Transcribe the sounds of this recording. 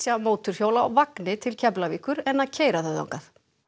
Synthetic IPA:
sjamoːwt̪ʏɾ̥hjoːwlaa̰vaknɪt̪ʰɪlcʰɛplaviːkʏɾɛnːaðcʰeːjɾaθœða̰wŋkaθ

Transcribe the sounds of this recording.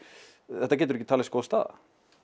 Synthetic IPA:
ɛht̪ːac̬ɛːt̪ɾɛcɪt̪aːlɪskoːwst̪a̰ːða̰

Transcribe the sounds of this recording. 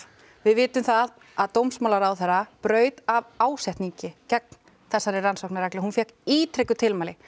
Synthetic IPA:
vɪðvɪːt̪ʏmθað | aðt̪owmsmaːlaɾawθɛrːapɾœːɥt̪avaːwsɛht̪niɲcɪcɛk̚n̥ | θɛsːaɾɪransohknaɾɛklɪhunfjɛhkiːt̪ʰɾɪkʏt̪ʰɪlmaːlɪ

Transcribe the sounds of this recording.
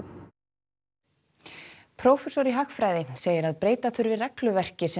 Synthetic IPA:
pʰɾowfɛsɔɾiɦaxfɾaːjðɪseːjɪɾaðpɾeːjt̪aθʏɾvɪrɛklʏvɛr̥cɪsɛ

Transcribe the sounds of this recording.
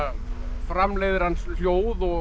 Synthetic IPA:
fɾamlejðɪɾ̥hanːsljoːwðɔ

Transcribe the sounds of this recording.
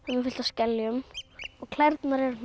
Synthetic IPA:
hanːɪfɪl̥t̪ascɛlːjʏmɔɣkʰlaɾt̪naɾɛɾ

